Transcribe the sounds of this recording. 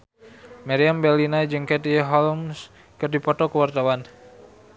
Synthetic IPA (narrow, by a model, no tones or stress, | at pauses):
maɾiambɛlinad͡ʒɨŋkɛt̪iɦɔlms | kɨrdipɔt̪ɔkəwart̪awan